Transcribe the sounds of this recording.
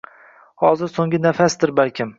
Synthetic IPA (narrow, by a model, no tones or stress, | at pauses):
hɒzɪɾsoŋʲɪnafasd̪ɪɾbalkʲʰɪm